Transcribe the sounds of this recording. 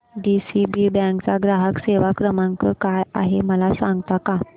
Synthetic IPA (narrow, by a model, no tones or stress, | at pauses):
ɖisibibɛ̃ŋkt͡saɡɾaɦəkseʋakɾəmãŋkəɾkaja̰ɦeməlasãŋɡt̪aka